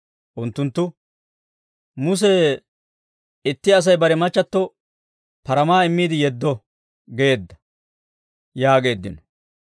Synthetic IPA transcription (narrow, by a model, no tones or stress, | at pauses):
ʔʊnt̪ːʊnt̪ːʊ | mʊs̬ɛ | ɪt̪ːɪɐs̬ɐjbɐɾɛmɐt͡ʃːɐt̪ːɔ | pɐɾɐmaːɪmːiːd̪ɪjɛd̪ːɔ | ɡeːd̪ːɐ̥ | jaːɡe̞ːd̪ːɪ̰nɔ